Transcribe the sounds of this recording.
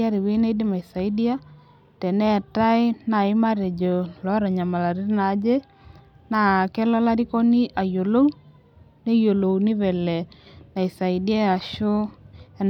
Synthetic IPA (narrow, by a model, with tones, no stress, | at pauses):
a˦ɾi˨we˦na˦i˦dɪ˦ma˨i˨sa˨i˦di˦a˦ | tɛ˨nɛ˦a˨ta˦ɪ˦na˨ɪ˦ma˦ɾɛ˨d͡ʒɔ˨lɔ˨˦ɾa˨ɲa˨ma˨la˨ɾi˦ɾna˨˦d͡ʒe˦ | na˨kɛ˦lɔ˦la˦ɾi˦ko˦ni˦ʔa˨jo˨lo˦w | ne˦jo˨lo˨wnɪ˦vɛ˨lɛ˨na˨ɪ˨sa˨ɪ˨dja˦a˨ʃʊ˦a˨n